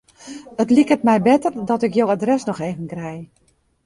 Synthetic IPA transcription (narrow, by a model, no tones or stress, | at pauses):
ətlikətmɛjbɪtərdɔtɪkjowadrɛsnɔxeːvənkrɛj